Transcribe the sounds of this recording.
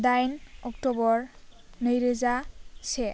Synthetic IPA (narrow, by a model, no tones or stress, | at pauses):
d̪ajnɔktɔbɔɹ | nəjɾezasɛ